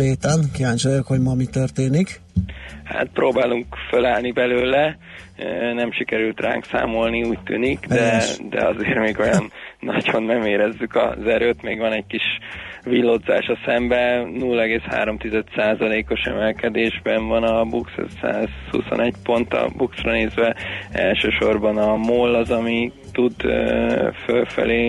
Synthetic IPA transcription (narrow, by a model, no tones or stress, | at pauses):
eːt̪ɛnkijaːɲt͡ʃojokho̞ɟmɒmit̪ørt̪eːnik | ha̰t̪̚proːbaːluŋkfølaːlnibɛløːlɛ | nɛmʃikɛɾylt̪ra̰ːŋksa̰ːmo̞lniuːc̚t̪y̰ːnikd̪ɛd̪ɛ̰ɒzeːɾmeːɡo̞jɒnːɒ̰ɟhonmɛmeːɾɛzːykɒ̰zɛɾøːt̪meːɡʋɒnɛɟ̚kiʃvilːo̞d̪za̰ːʃɒsɛmbɛnuːlːɛɡeːsha̰ːɾo̞mt̪izɛt̪saːzɒleːko̞ʃɛ̰mɛlkɛd̪eːʒbɛɱvɒnɒbukssa̰ːz̥hṵso̰nɛɟpo̞nt̪ɒ̰buksrɒneːzʋɛɛ̰lʃøːʃo̞rbɒnɒmoːlːɒzɒmi | t̪ud̪ | følfɛ̰leː